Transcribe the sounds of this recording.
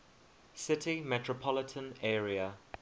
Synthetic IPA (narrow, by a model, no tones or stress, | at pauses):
sɪtʰimɛtʰɹəpʰɔlɪtʰə̃nɛːɹiə